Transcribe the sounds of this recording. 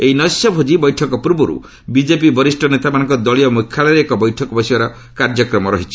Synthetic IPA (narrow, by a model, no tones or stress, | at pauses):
ejnɔsjɔbʱod͡ʒibɔjʈʰɔkɔpuɾbɔɾṵ | bid͡ʒepibɔɾisʈʰɔnet̪amanɔŋkɔd̪ɔɭiɔmukʰːaleɾeekɔbɔjʈʰɔkɔbɔsibaɾɔ | kaɾd͡ʒɔkɾɔmɔɾɔɦit͡ʃʰi̥